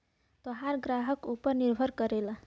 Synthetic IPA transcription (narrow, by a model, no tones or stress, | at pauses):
t̪ɔɦaɾɡɾaɦʌkupəɾniɾbʱʌɾkʌɾela